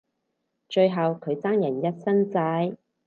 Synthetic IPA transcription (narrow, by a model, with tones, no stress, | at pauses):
t͡ʃɵ˧ɥɦɐ˨wkʰɵ˨˧ɥt͡saː˥ŋjɐ˨˩njɐ˥t̚sɐ˥ŋt͡saː˨˧˥j